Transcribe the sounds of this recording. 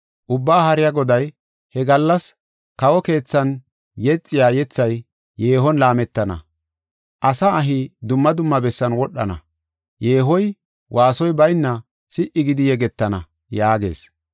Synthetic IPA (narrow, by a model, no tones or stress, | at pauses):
ʔʊbːaːhɐɾɪjaɡɔd̪ɐj | hɛɡɐlːɐs | kɐwɔke̞ːt͡sːɐn | jɛt͡sʼːɪjaːjɛt͡sːɐj | je̞ːɦɔnlaːmɛt̪ːɐnɐ̰ | ʔɐsɐːɦɪd̪ʊmːɐd̪ʊmːɐbɛsːɐnwɔɗːɐ̰nɐ̰ | jeːɦɔj | wʔaːsɔjbɐjnːɐ | sɪʔɪɡɪd̪ɪjɛɡɛt̪ːɐnɐ | jaːɡe̞̰ːs